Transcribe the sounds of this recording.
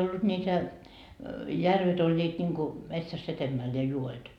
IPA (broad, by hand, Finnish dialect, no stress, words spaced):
olːut nʲiːtæ jærʋet olʲːiːt nʲiŋku metsæsː etemːæl jɑ juoet